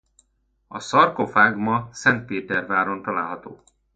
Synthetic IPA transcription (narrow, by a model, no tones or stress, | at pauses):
ɒsɒrko̞faːɡmɒsɛnt̪̚peːt̪ɛrvaːɾo̞nt̪ɒla̰ːlɦɒt̪o̰ː